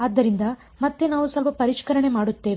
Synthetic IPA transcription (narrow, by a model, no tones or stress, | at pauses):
aːd̪ːɐɾind̪ɐ | mɐt̪ːe̞naːʋusɐlpɐpɐɾiʂkɐɾɐɳe̞maːɽut̪ːe̞ːʋ